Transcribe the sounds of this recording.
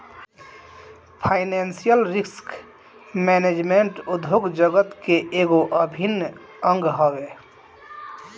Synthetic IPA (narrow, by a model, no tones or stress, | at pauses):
pʰaɪnɛnsijəlɾisk | mɛned͡ʒmeɳʈud̪ʱoɡd͡ʒəɡət̪keʔeːɡoʔəbʱin | ə̃ŋɡɦowe